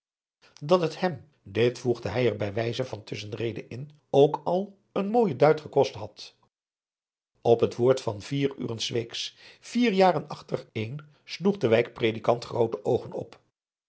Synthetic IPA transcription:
dɑtəthɛm | dɪtfuχdəɦɛjɛɹbɛjʋɛjzəvɑntʰɵsənrejdəʔɪn | owkɑlˠ | ənmoːjədœɥtχəkɔstɦɑt | ɔpɦətʋoːɹtfɑnviːry̰ːrənsʋejksfiːɹjaːrənɑχtərejn | sluχdəʋɛjkprejdikɑntχrowtəʔowχənɔ̰p

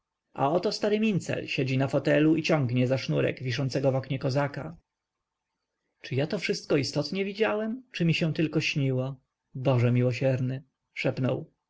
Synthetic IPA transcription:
ʔa̰ɔt̪ɔst̪aɾɘmʲint̪sɛ̰lɕɛd͡ʑinafɔt̪ɛluit͡ɕɔ̃ŋɡɲɛzaʂnuɾɛ̰ɡvʲiʂ̬ɔnsɛɡɔvɔkɲɛkɔzaka | t͡ʂɘjat̪ɔfʂɘst̪̚kɔist̪ɔt̪ɲɛvʲid͡ʑawɛmt͡ʂɘmʲiɕɛ̃t̪ɘlkɔɕɲiwɔ | bɔʐɛmʲiwɔɕɛɾnɘ | ʂɛpnɔ̰w

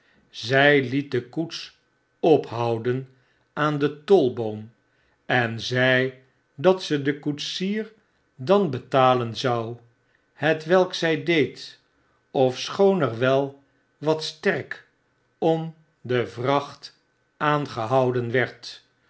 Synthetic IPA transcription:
zɛjlit̚dəkuts | ɔpɦɑwdən | aːndətɔlˠbowm | ɛnzɛj | dɑtsədəkutsiːr | dɑnbətaːlənzɑw | hətʋɛlˠksɛjdejt | ɔfsχownɛɹʋɛlˠ | ʋɑtstɛɹk | ɔm | dəvrɑχt | aːnχəɦɑwdənʋɛɹt

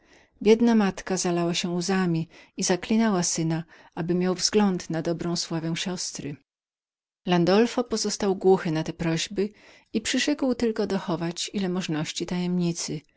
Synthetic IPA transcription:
bʲjɛd̪namat̪kazalawaɕɛuzamʲiizaklʲinɛwasɘna | abɘmʲjawvzɡlɔnt̪nad̪ɔbɾɔ̃w̃swavɛw̃ɕɔst̪ɾɘ̰ | land̪ɔlfɔpɔzɔst̪awɡwuxɘnat̪ɛpɾɔʑbɘ | ipʂɘʂɛkwt̪ɘlkɔd̪ɔxɔvat͡ɕilɛmɔʐnɔɕt͡ɕit̪ajɛmɲit̪sɘ

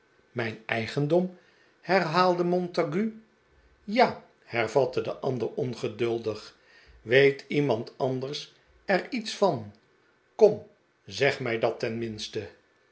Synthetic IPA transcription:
mɛjnɛjχəndɔm | hɛrɦaːlˠdəmɔntaɡy | jaː | hɛɹvɑtədəʔɑndəɹɔnχədɵlˠdəχ | ʋejtʰimɑntɑndəɹs | ɛɹitsfɑn | kɔm | zɛχmɛjdɑtɛnmɪnstə

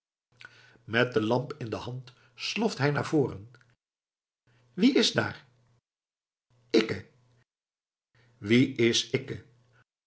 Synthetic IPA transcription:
mɛt̚dəlɑmpɪndəhɑnt | slɔftɦɛjna̰ːɹv̥oːrə̰n | ʋiɪzda̰ːɹ | ɪkə | ʋiɪsɪkə

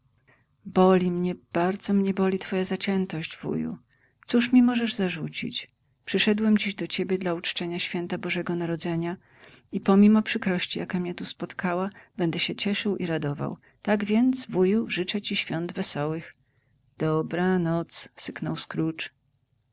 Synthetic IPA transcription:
bɔlʲimɲɛb̥aɾd̪zɔmɲɛbɔlʲit̪fɔjazat͡ɕɛnt̪ɔɕd͡ʑvṵjṵ | t̪suʂmʲimɔʐɛʐzaʐut͡ɕḭt͡ɕ | pʂɘʂɛd̪wɛmd͡ʑiʑd̪ɔt͡ɕebʲjɛd̪laut͡ʂt͡ʂɛɲaɕfʲjɛnt̪abɔʐɛɡɔnaɾɔd̪zɛɲa | ipɔmʲimɔpʂɘkɾɔɕt͡ɕijakamɲɛt̪uspɔt̪kawabɛnd̪ɛɕɛt͡ɕɛʂɘwʔiɾad̪ɔva̰w | t̪aɡvʲjɛnd̪zvujuʐɘt͡ʂɛt͡ɕiɕfʲjɔnd̪vɛsɔwɘx | d̪̥ɔbɾanɔt̪ssɘknɔwskɾut͡ʂ

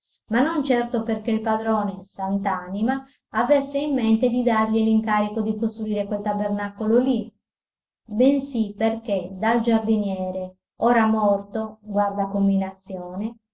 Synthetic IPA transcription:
manːont͡ʃɛrt̪operkeilpad̪ɾɔːnesant̪aːnimaː | vesːeimːent̪ed̪id̪arʎiliŋkaːɾikod̪ikost̪ɾuiːɾekwelt̪abernakololi | bensiperk̟ed̪ald͡ʒard̪injɛːɾe | oːɾamɔrt̪oɡward̪akomːilat̪sːjɔːne

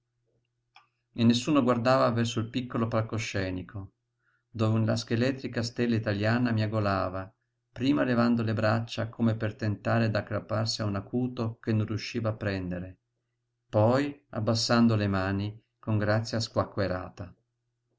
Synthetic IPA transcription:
enːesːuːnoɡward̪aːvavɛrsoilpikːolopalkoʃːɛːnikʰo | d̪oːvela̰sk̟elɛt̪ɾikast̪elːait̪aljaːnamiaɡolaːva | pɾiːmalevand̪olebɾat͡ʃːakʰomepert̪ent̪aːɾed̪akːɾapːarsiaunakʰuːt̪okenːorjuʃːiːvaːpːɾɛnd̪eɾe | pɔja̰bːasːand̪olemaːni | koŋɡɾat̪sːjaskwakːweɾa̰ːt̪a

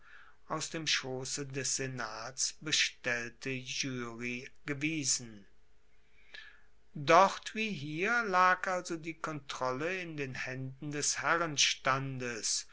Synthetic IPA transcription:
ʔaʊsd̥eːmʃoːsədɛsz̥enaːtsb̥əʃtɛltʰəʒyːʁiɡ̥əviːzn̩ | dɔχtv̥iːɦiːɐlaːkʔalzodiːkʰɔntʁ̥ɔləɪndeːnhɛndn̩dɛshɛʁənʃtandəs

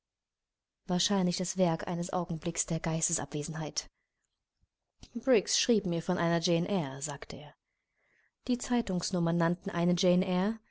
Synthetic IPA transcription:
vaːɐʃaɪnlɪçd̥asv̥ɛɐkʔa̰ɪnəsʔa̰ʊɡŋ̩blɪksd̥eːɐɡaɪstəsʔa̰pv̥eːzn̩ɦaɪt | b̥ʁɪksʃʁ̥iːpmiːɐfɔnʔaɪnɐd͡ʒeɛnʔɛɐzaːktʰəʔeːɐ | d̥iːt͡saɪtʊŋsnʊmɐnːantn̩ʔaɪnəd͡ʒenʔɛɐ

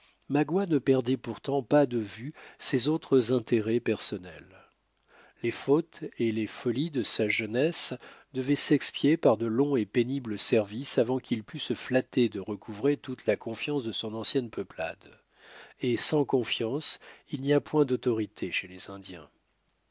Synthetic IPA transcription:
maɡwanəpɛʁd̪ɛpuʁt̪ɑ̃pad̪əvysezot̪χəzɛ̃t̪eʁɛpɛʁsɔnɛ̰l | lefot̪elefɔlid̪əsaʒənɛsd̪əvɛsɛkspjepaʁd̪əlɔ̃epenibləsɛʁvisavɑ̃kʰʲilpysəflat̪ed̪əʁəkuvʁet̪ut̪lakɔ̃fjɑ̃sd̪əsɔ̃nɑ̃sjɛnpʰəpla̰d̪ | esɑ̃kɔ̃fjɑ̃silniapwɛ̃d̪ot̪ɔʁit̪ʰeʃelezɛ̃d̪jɛ̰̃

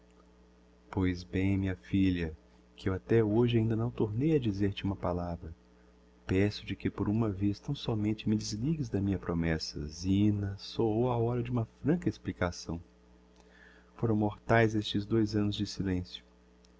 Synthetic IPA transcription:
pojzbẽj̃mĩɲɐfiʎɐ | kɪewat̪ɛoʒɪaĩnd̪ɐnɐ̃w̃t̪oɾnejɐd͡ʒizeɾt͡ʃɪũmɐpalavɾɐ | pɛsʊd͡ʒɪkɪpoɾũmɐvest̪ɐ̃w̃sɔmẽnt͡ʃɪmɪd͡ʒɪzliɡɪzd̪ɐmĩɲɐpɾomɛsɐ̰zĩnɐsoowaɔɾɐd͡ʒɪũmɐfɾɐ̃kɐesplikasɐ̃w̃ | foɾɐ̃w̃moɾt̪ajzest͡ʃɪzd̪ojzɐ̃nʊzd͡ʒɪsilẽsjʊ̥

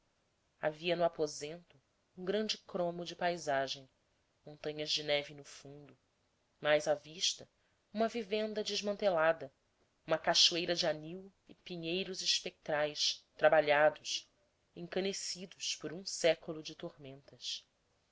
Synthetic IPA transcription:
a̰viɐnʊapozẽnt̪ʊ | ũŋɡɾɐ̃nd͡ʒɪkɾõmʊd͡ʒɪpajzaʒẽj̃ | mõnt̪ɐ̃ɲɐzd͡ʒɪnɛvɪnʊfũnd̪ʊ | majzaviʃt̪ɐ | ũmɐvivẽnd̪ɐd͡ʒɪʒmɐ̃nt̪elad̪ɐ | ũmɐkaʃuejɾɐd͡ʒɪaniw | ɪpiɲejɾʊzɪʃpek̚t̪ɾajst̪ɾabaʎad̪ʊʃ | ẽŋkɐnesid̪ʊʃpʊɾũsɛkʊlʊd͡ʒɪt̪ohmẽnt̪ɐs

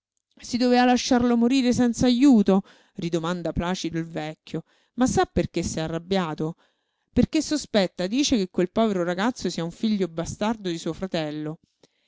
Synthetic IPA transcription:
sid̪ovealaʃːarlomoɾiːɾesɛnt̪saːjuːt̪o | rid̪omand̪aplaːt͡ʃid̪oilvɛkʲːjo | masːapːerk̟esːɛarːabːjaːt̪o | perkesːospɛt̪ːad̪iːt͡ʃekekwelpɔːveɾoɾaɡat̪sːosiːauɱfiʎːobast̪ard̪od̪isuːofɾat̪ɛlːo

